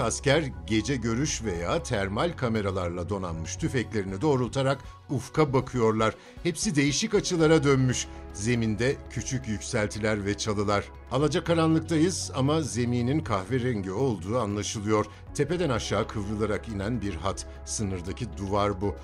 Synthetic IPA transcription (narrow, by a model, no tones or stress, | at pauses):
ascæɾɟe̞d͡ʒɛɟø̞ɾyʃve̞jaːt̪ʰæɾmalʲkʰame̞ɾalˠaɾlˠad̪o̞nanmɯʃt̪ʰyfɛclʲe̞ɾinid̪o̞ːɾulˠt̪ʰaɾak | ufkʰabakʰɯjo̞ɾlˠaɾ̥ | hɛpsid̪e̞jiʃicat͡ʃʰɯlˠaɾad̪ønmyʃze̞mind̪ɛcʰyt͡ʃʰycjycsælʲt̪ʰilʲæɾvɛt͡ʃʰalˠɯlˠaɾ̥ | alˠad͡ʒakʰːaɾanlˠɯk̚t̪ʰajɯzamaze̞miːninkʰahveɾɛnɟøo̞lˠd̪uːanlˠaʃɯlˠɯjo̞ɾ̥ | t̪ʰe̞pe̞d̪ænaʃːaːkʰɯvɾɯlˠaɾakinænbiɾɦat̪ | sɯnɯɾd̪acʰid̪uvaɾbu